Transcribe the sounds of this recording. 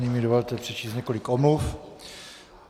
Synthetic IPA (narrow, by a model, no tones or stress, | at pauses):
ɲiːmidovolt̪ɛpr̝̥ɛt͡ʃiːsɲɛkolikomluf